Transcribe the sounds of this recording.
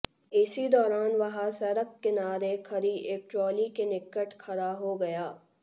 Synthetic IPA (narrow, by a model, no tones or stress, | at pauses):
ɪsid̪ɔːɾaːnʋɐɦasɛɾəkːɪnaːɾekʰɐɾieːk̚t͡ʃɔːlikenɪkːəʈkʰɐɾaɦoɡɐjaː